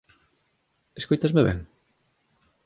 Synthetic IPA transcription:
eskojt̪ɐzmeβɛ̰ŋ

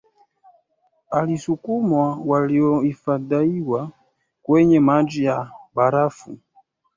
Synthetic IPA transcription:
alisukumwawaliɔifadaiwa | kwɛɲɛmad͡ʒijabaɾafṵ

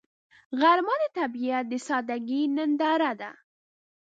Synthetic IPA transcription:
ɣaɾmɑd̪ət̪abijat̪̚d̪əsɑd̪aɡinənd̪ɑɾad̪a̰

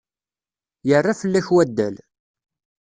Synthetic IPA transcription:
jərˤːafəlːæçwæd̪ːæ̰l

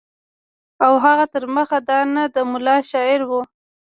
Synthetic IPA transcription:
awɦaɣat̪əɾməxad̪ɑnad̪əmʊlɑʃɑɪɾwu

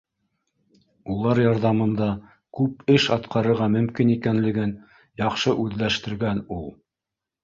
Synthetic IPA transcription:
ulˠɑɾjɑɾðɑmɤ̆nd̪ɑ | kʉpɘʃɑt̪qɑɾɤ̆ɾʁɑmɵ̆mkinikænlɘ̆ɡɘn | jɑqʃɤʔʉðlæʃt̪ɘ̆ɾɡænulˠ

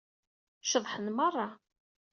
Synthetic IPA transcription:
ʃəðˤħənmərˤːɑ

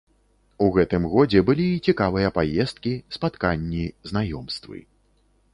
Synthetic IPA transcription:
uɣɛt̪ɨmɣɔd͡zʲɛbɨlʲit͡sʲikavɨjɐpajɛst̪̚kʲispat̪kanʲːiznajɔmst̪vɨ̰

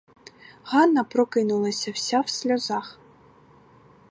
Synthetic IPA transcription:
ɣɑnːɐpɾɔkɪnulˠɐsʲɐw̥sʲawsʲlʲɔzɑx

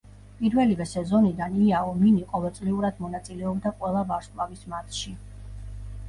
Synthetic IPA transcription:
pʼiɾvɛlivɛsɛzɔnid̪aniaɔminiqʼɔvɛlˠt̪sʼliuɾad̪mɔnat̪sʼilɛɔbd̪aqʼwɛlˠabaɾʃlavismat̪ʰʃi

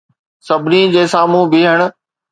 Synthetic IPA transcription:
sɐbʱɪnid͡ʑeːsaːmũbiɦəɽ̃ʊ̆

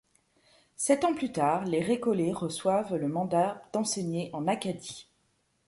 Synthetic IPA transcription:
sɛt̪ɑ̃plyt̪aːʁleʁekɔleʁəswavləmɑ̃d̪ad̪̥ɑ̃seɲeʔɑ̃nakad̪i

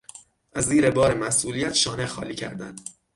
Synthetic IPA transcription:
ʔæzːiːɾe̞bɒːɾemæsʔuːlijæt̪ʃɒːnexɒ̰ːliːcʰæ̰ɾd̪ænd̪̥

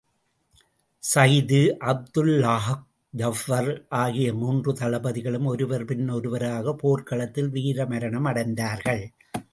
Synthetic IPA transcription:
sɐjðɯʔɐb̚d̪ɯlːaːɦk̚ | d͡ʒɐfɐɾʔaːɣɪjɐmuːndrɯt̪ɐlɐbɐðɪɣɐɭɯmɔɾɯʋɐɾpɪnːɔɾɯʋɐɾaːɣɐpoːɾkɐɭɐt̪ːɪlʋiːɾɐmɐɾɐɳɐmɐɽɐɪnd̪aːɾɣɐɭ

